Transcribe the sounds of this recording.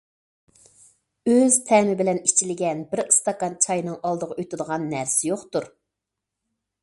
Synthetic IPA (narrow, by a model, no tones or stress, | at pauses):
øzt̪ʰɛmɪbɪlɛnit͡ʃʰilɪɡʲɛnbɪɾɨ̥st̪ɑkɑnt͡ʃʰɑjnɨŋɑlˠd̪əʁɑøt̪ɪd̪əʁɑnːæɾsɪjoχt̪uɾ